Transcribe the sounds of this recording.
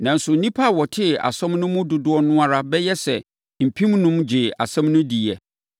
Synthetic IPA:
nã˨n̩˨sʊ˨n̩˨nĩ˦pʰa˦˨wɔ˨tʰɪ˦˨a̰˨sɛ̃˦mnʊ̃˦mʊ̃˦dʊ˨dʊ˦ɔ˦nʊ̃˦a˦ɾa˦bɛ˦jɛ˦sɛ˨ | m̩˨pʰĩ˦mnʊ̃˦md͡ʑɪ˨a̰˨sɛ̃˦mnʊ̃˦di˨ɛ˨

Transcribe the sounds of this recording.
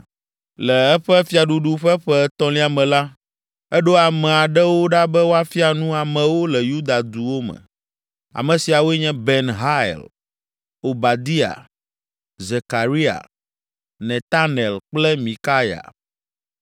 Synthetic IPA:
lɛ˨ɛ˦ɸɛ˦fi˦a˨ɖu˨ɖu˦ɸɛ˦ɸɛ˦t̪ɔ̃˦li˦a˨mɛ̃˨la˦ | ɛ˦ɖo˦a˨mɛ̃˨a˨ɖɛ˦wo˦ɖa˦bɛ˦wo˦a˦fi˦a˨nũ˦a˨mɛ̃˨wo˦lɛ˨ju˦d̪a˨d̪u˨wo˦mɛ̰̃˨ | a̰˨mɛ̃˨si˨a˨wo˦ɛ˦ɲɛ̃˦bɛ˦nɦa˦˨l | o˨ba˨d̪i˦a̰˨ | ze˨ka˨ɾi˦a̰˨ | nɛ̃˨t̪a˦nɛ˨lk͡plɛ˦mĩ˨ka˦ja̰˨

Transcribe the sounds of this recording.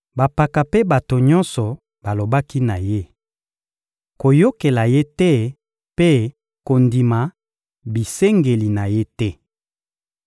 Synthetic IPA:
ba˨pa˨ka˨pe˦ba˨to˨ɲɔ˦nsɔ˨ | b̥a˨lo˨ba˦ki˦na˨je˦ | ko˨jo˦ke˨la˨je˦tɛ˦ | pe˦ | ko˨ndi˨ma˨ | bi˨se˦ŋɡe˨li˨na˨je˦tɛ˦

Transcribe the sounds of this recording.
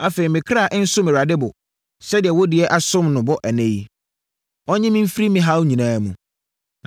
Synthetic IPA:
a˨fe˨ɾi˨mɪ̃˨kʰɾa˦˨ʔn̩˦sʊ˦mɪ̃˨ɾa˨dɪ˦bʊ˨ | sɛ˦dɪ˨ɛ˨wɔ˦dɪ˨ɛ˦ʔa˨sʊ̃˦mnʊ̃˨bɔ˦ʔæ˨nẽ˦ji˦ | ɔ˦ɲɪ̃˦mɪ̃˦m̩˦fi˦ɾi˦mɪ̃˦ɦa˦wʊ˦ɲĩ˨nãː˦mũ˨

